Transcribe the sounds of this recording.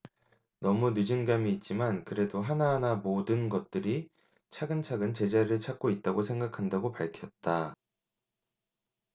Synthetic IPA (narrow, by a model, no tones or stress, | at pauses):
nʌmunɯd͡ʑɯnɡamiːt̚t͡ɕ͈imankɯɾe̞doɦanaɦːnamodɯnɡʌt̚t͈ɯɾi | t͡ɕʰaɡɯnt͡ɕʰaɡɯnt͡ɕe̞d͡ʑaɾɯɭt͡ɕʰak̚k͈oit̚t͈aɡosʰe̞ŋɡakʰandaɡopaɭkʰjʌt̚t͈a